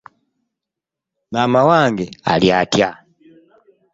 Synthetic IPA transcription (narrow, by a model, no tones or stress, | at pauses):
mamawaŋɡɛa̰liatja